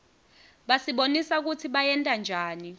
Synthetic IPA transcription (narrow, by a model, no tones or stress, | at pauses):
ɓasiɓonisak̬ut͡sʰiɓajɛntʼand͡ʒʱaːni